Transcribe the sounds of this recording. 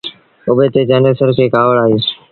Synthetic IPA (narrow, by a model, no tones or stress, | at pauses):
ʊbeːt̪eːd͡ʒaːnəsəɾkeːkaːʋəɭaːɦiː